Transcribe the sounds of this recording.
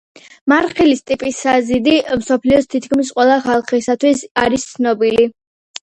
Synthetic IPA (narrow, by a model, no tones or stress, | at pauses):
maɾχilist̪ʼipʼisazid̪imsɔpʰliɔst̪ʰit̪ʰkʰmis̬qʼwɛlˠaχalˠχisat̪ʰwisaɾist̪sʰnɔbili